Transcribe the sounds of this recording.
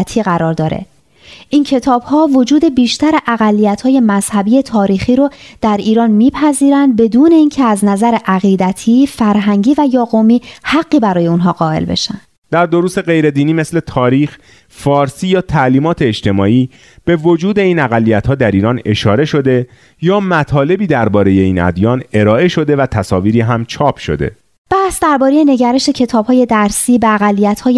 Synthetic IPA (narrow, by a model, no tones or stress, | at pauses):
t̪ʰiːɣæɾɒːɾd̪ɒːɾḛ | ʔincʰe̞t̪ʰɒːb̥hɒːvo̞d͡ʒuːd̪e̞biːʃt̪æɾeʔæɣælːijæt̪hɒːje̞mæz̥hæbiːje̞t̪ʰɒːɾiːxiːɾod̪̥æɾiːɾɒːnmiːpʰæziːɾænd̪̚be̞d̪uːne̞iːncʰeæznæzæɾeʔæɣiːd̪æt̪ʰiːfæɾɦæŋɟiːvæjɒːɣomiːhæɡːiːbæɾɒːje̞unɦɒːɢɒːe̞̰lbḛʃæ̰nd̪̥ | d̪̥æɾd̪o̞ɾuːse̞ɣe̞jɾe̞d̪iːniːmesle̞t̪ʰɒːɾiːx | fɒːɾsiːjɒːt̪ʰæʔliːmɒːt̪ʰe̞ed͡ʒt̪ʰe̞mɒːʔiː | b̥e̞vo̞d͡ʒuːd̪e̞iːnæɣælːijæt̪hɒːd̪æɾiːɾɒːne̞ʃɒːɾe̞ʃo̞d̪e̞ | jɒːmæt̪ʰɒːle̞biːd̪æɾbɒːɾe̞je̞iːnæ̰d̪jɒːne̞ɾɒːʔe̞ʃo̞d̪e̞væt̪ʰæsɒːviːɾiːɦæmt͡ʃʰɒːpʰʃo̞̰d̪ḛ | b̥æhsd̪æɾbɒːɾejene̞ɟæɾeʃecʰe̞t̪ʰɒːb̥hɒːje̞d̪æɾsiːbeæɣælːijæt̪hɒːje